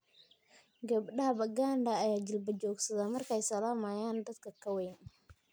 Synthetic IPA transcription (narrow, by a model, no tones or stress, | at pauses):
ɡɐbɗɐhɐbɐɡaːndɐːjaːd͡ʒɪlbɐd͡ʒɔːɡsɐðamɐrkʰɛjsɐlaːmaːjaːnd̪ɐd̪kʰɐkʰɐwejn